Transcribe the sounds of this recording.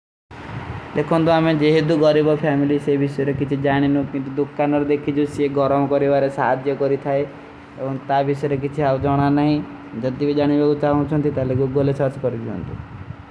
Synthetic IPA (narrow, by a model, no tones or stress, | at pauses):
d̪ekʰɔnt̪uamed͡ʒeɦed̪uɡɔɾibɔpʰɛmilisebisɔjeɾekit͡ʃʰid͡ʒaɽ̃inukint̪ud̪ukːanɔɾed̪ekʰit͡ʃʰuseɡɔɾɔmɔkɔɾibaɾesaɦad̪jɔkɔɾit̪ʰae | ebɔŋt̪abisɔeɾek̬it͡ʃʰiabd͡ʒɔɽ̃anaɦĩ | d͡ʒɔt̪ibid͡ʒaɽ̃ibakut͡ʃaɦt͡ʃʰɔnt̪it̪alekuɡolesɔɾt͡ʃɔ̥kɔɾid͡ʒiɔ̰nt̪ṵ